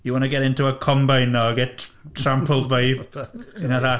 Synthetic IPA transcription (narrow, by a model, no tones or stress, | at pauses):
iwɔnəɡɛɾɪntʰuəkʰɔmbajnːɔɡɛtʰtʰrampʰəlˠdbejbinaɾa